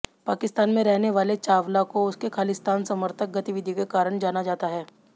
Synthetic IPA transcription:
paːkɪst̪aːnmẽɾɛɦneʋaːlet͡ʃaːʋlakoʊskekʰaːlɪst̪ʰaːnsɐməɾt̪ʰək̚ɡɐt̪iʋɪd̪ʱikekaːɾəɽ̃d͡ʒaːnad͡ʒaːt̪aɦɛː

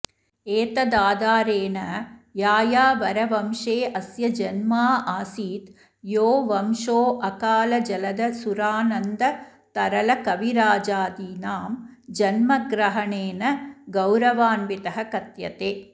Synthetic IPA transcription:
eːt̪ɐd̪aːd̪aːɾeːnɐjaːjaːʋɐɾɐʋɐmʂeːʔɐsjɐd͡ʒɐnmaːaːsiːt̪ | joːʋɐmʂoːʔɐkaːlɐd͡ʒɐlɐd̪ɐsuɾaːnɐnd̪ɐt̪ɐɾɐlɐkɐʋiɾaːd͡ʒaːd̪iːnaːmd͡ʒɐnmɐɡɾɐɦɐɳeːnɐɡɐwɾɐʋaːnʋit̪ɐɦɐkɐt̪jɐt̪eː

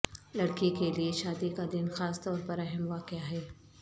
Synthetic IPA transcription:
lɐɽkikelieʃaːd̪ikad̪ɪnxaːst̪ɔːɾpɐɾɐɦɛmʋaːqɪaɦɛː

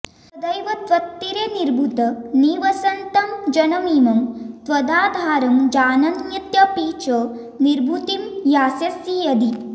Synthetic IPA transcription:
ɐd̪ɐjʋɐt̪ʋɐt̪ːiɾeniɾbʱut̪ɐniːʋɐsɐnt̪ɐmd͡ʒɐnɐmiːmɐmt̪ʋɐd̪aːd̪ʱaːɾɐmd͡ʒaːnɐnjɐt̪jɐpiːt͡ʃɐ | niɾbʱut̪imjaːsjɐsjijɐd̪i

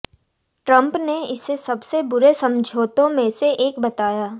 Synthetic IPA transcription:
ʈɾɐ̃mpneɪsesɐbsebʊɾesɐ̃md͡ʒʱoːt̪õmẽseʔeːkbɐt̪aːjaː

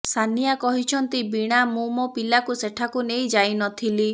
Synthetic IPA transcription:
sanijakɔɦit͡ʃʰɔnt̪ibiɽ̃amumɔpilakuseʈʰakuneid͡ʒajnɔt̪ʰili

